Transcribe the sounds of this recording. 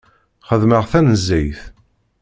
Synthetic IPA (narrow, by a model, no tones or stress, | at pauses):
χəðməʁθænəzːæjθ